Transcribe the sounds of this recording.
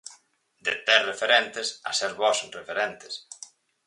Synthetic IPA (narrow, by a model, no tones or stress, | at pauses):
d̪et̪ɛrefeɾɛnt̪esa̰sɛɾβɔsnrefeɾɛnt̪e̥s